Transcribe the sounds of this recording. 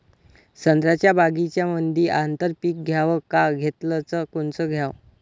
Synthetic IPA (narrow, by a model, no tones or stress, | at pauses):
sənd̪ɾat͡ɕjabaɡit͡ɕjaməd̪ʱiʔant̪əɾpiːk̚ɡʱjaʋəkaɡʱet̪lət͡səkoɳt͡səɡʱjaʋ